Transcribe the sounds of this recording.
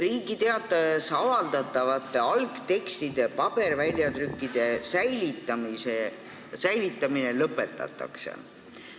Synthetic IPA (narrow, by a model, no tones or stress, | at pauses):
riːɡ̥it̪e̞ɑt̪ˑːɑjesɑvɑld̪ɑt̪ːˑɑvɑt̪ːˑe̞ɑlɡ̥t̪e̞kst̪id̪̥e̞pɑb̥e̞rvælʲjɑt̪rykːid̪̥e̞sæjlit̪ːˑɑmise | sæjlit̪ːˑɑmine̞lɤpːˑe̞t̪ːˑɑ̰t̪ːˑɑ̰ksḛ